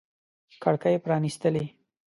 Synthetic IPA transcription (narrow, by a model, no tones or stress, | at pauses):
kaɽkajepɾɑnist̪əle